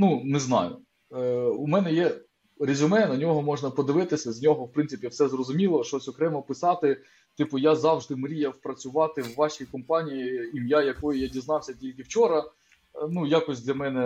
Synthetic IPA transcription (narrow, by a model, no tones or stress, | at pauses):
nunɪznɑ̰jʊ̰ | umɛnɛjɛ | ɾʲɪzʲʊmɛnɐnʲɔɦɔmɔʒnɐpɔd̪ɪʋɪt̪ɪsʲɐzʲnʲɔɦɔwpɾɪnsɪpʲiwsɛzrɔzʊmʲilˠɔʃt͡ʃɔsʲɔkɾɛmɐpɪsɑt̪ɪ | t̪ɪpʊjazɑwʒd̪ɪmɾʲijɐwpɾɐt͡sʲʊʋɑt̪ɪwːɑʃʲijkɔmpɑnʲijiimjajɐkɔjijadʲiznɑwsʲɐtʲilʲkɪwt͡ʃɔɾɐ | nujakɔsʲd̪ʲlʲɐmɛnɛ